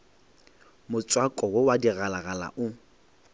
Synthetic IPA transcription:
mʊt͡sʼwakʼɔwowadiɣalaɣala̰ʔʊ

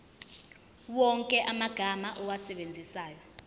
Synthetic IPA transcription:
wɔŋkʼɛʔamaɡ̥ʱamaʔɔwasɛɓend͡zʱisaːjɔ

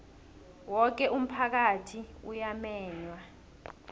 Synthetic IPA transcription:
wɔk̬ɛʔum̩pʰak̬atʰiṵjamɛːɲwa

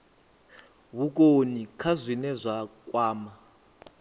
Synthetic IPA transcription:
βuk̬ʼonikʰazʷinɛzʷakʼwaːma

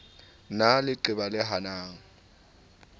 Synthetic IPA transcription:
nalɪǃɪbalɪɦanaːŋ̩

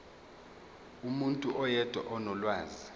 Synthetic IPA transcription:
umuntʼuʔɔjɛd̥ʱwa̰ʔɔnɔlwaːzi

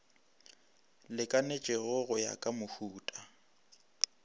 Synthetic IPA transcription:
lɪkʼanet͡ʃʼɪɣʊɣʊja̰kʼamʊhuːtʼa

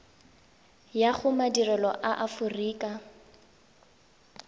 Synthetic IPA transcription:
jaχʊmadirɛlɔʔaʔafʊriːkʼa

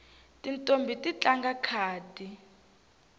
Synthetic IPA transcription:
tʼintʼombʱitʼit͡ɬʼaŋɡakʰaːdʱi

